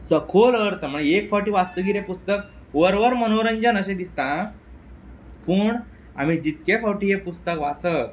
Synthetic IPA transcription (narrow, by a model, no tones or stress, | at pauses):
səkʰoləɾt̪əm̤əɳeekfawʈiːʋast̪əɡiːɾepust̪ək̚ | ʋəɾʋəɾmənoɾəɲd͡ʑənəɕẽd̪ist̪ã | pəːɳ | a̰m̤iːd͡ʑit̪kefawʈiːɦepust̪əkʋat͡sə